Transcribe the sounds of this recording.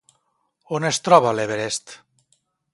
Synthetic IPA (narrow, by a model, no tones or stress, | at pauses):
onest̪ɾɔβaleβeɾest̪